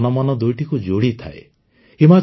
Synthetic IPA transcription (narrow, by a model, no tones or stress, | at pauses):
nɔmɔnɔd̪ujʈikud͡ʒoɽit̪ʰa̰e | ima